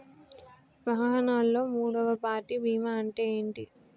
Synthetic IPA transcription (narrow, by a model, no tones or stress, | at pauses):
ʋaːɦɐnaːlːo̞ːmuːɽɐʋɐpaːɾʈibʱiːmaɐɳʈeːjeːɳʈi